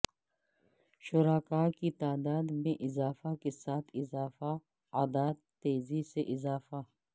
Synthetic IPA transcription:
ʃʊɾaːkaːkit̪aːd̪aːd̪mẽʔɪzaːfakesaːt̪ʰɪzaːfa | aːd̪aːd̪t̪eːziseʔɪzaːfa

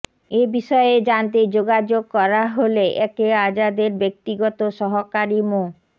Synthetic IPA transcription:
ebiʃɔeed͡ʑant̪ed͡ʑoɡad͡ʑoɡ̚kɔɾaɦoleʔɛkead͡ʑad̪eɾbek̚t̪iɡɔt̪oʃɔɦokaɾimo

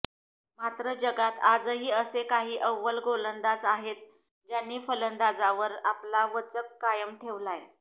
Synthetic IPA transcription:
mat̪ɾəd͡ʑəɡat̪ad͡zɦiːəsekaɦiːʔəʋːəlɡolənd̪ad͡zaɦet̪̚ | d͡ʑjanːiːfələnd̪ad͡zaʋəɾaplaʋət͡səkːajəmʈʰeʋlaj

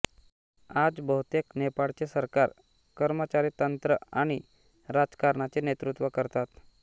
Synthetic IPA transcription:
ad͡zbəɦut̪eknepaɭt͡sesəɾkaɾ | kəɾmət͡ɕaɾiːt̪ənt̪ɾəaɽ̃i | ɾad͡zkaɾɳat͡senet̪ɾut̪ʋəkəɾt̪at̪

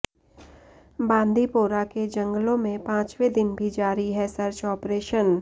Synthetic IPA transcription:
bãːnd̪ʱipoːɾaked͡ʒə̃ŋɡlõmẽpãːt͡ʃwed̪ɪnbʱid͡ʒaːɾiɦɛsɐɾt͡ʃɔːpɾeːʃən

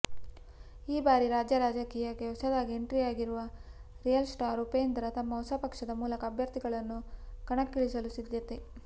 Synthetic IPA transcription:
iːbaːɾiɾaːd͡ʒjɐɾaːd͡ʒɐkiːjɐɡɛwsɐd̪aːɡieɳʈɾijaːɡiɾuʋɐ | ɾijɐlsʈaːɾupend̪ɐɾɐt̪ɐmːɐwsɐpɐkʂɐd̪ɐmuːlɐkɐːbʱjɐɾt̪iɡɐɭɐnːukɐɳɐkːiɭisɐlusid̪ʱjɐt̪e

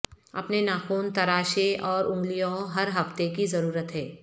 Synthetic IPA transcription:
ɐ̰pnenaːxuːnt̪ɐɾaːʃeʔɔːɾʔʊ̃ŋɡlijõɦɐɾɦɐft̪ekizɐɾuːɾət̪ɦɛː

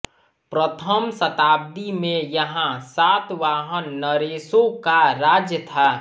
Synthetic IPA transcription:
pɾət̪ʰəmsət̪aːb̚d̪imẽjəɦãsat̪ʋaːɦənːəɾesõkaɾad͡ʒjət̪ʰa

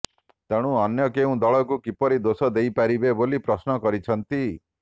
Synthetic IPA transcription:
t̪aɽ̃ũɔnjɔkeũd̪ɔɭɔkukipɔɾid̪osɔd̪ejpaɾibebolipɾɔsnɔkɔɾit͡ʃʰɔnt̪i

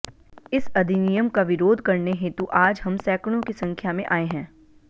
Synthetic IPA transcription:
ɪsɐd̪ʱinijəmkaʋɪɾoːd̪ʱkɐɾneɦeːt̪uʔaːd͡ʒɦɐmsɛːkɽ̃õkisɐ̃ŋkʰjamẽʔaːeɦɛ̃ː

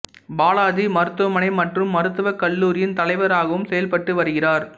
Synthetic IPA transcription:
baːlaːðimɐɾɯt̪ːɯʋɐmɐnɐɪmɐʈrɯmːɐɾɯt̪ːɯʋɐkːɐlːuːɾɪjɪnt̪ɐlɐɪʋɐɾaːɣɐʋɯmsɛjɐlpɐʈːɯʋɐɾɯɣɪraːɾ

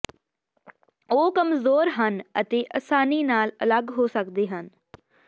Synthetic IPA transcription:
oːkəmzoːɾɦənə̰t̪eːʔəsaːniːnaːlə̰ləɡɦoːsəkd̪eːɦən

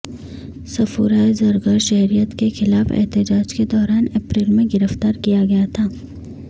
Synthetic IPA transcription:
sɐfuːɾaːjzɐɾɡaːɾʃɛɦɾijət̪kexɪlaːfɛ̰ɦt̪ɪd͡ʒaːd͡ʒked̪ɔːɾaːnɛpɾiːlmẽɡɪɾəft̪aːɾkijaɡɐjat̪ʰaː

